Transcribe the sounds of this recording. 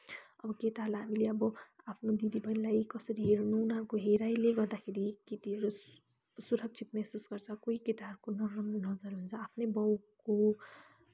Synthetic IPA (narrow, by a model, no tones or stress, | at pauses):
ʌ̰bʌkeʈalamileʌbɔapʰnod̪id̪ibʱʌnlajkʌsəɾiɦeɾnunankoɦeɾaileɡʌɾd̪akʰeɾiket̪iɾo | suɾʌk̚t͡ʃʰit̪̚mɛsusɡʌɾt͡sʰakoɦikeʈaɾkonʌnʌd͡zʌɾɦont͡sʰaːpʰnebɔwko